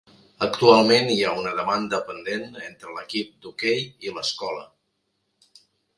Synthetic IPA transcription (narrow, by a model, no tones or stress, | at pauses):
əkt̪ualˠmeniaunəðəmand̪əpənd̪enent̪ɾələkip̚d̪ukejiləskɔlə̰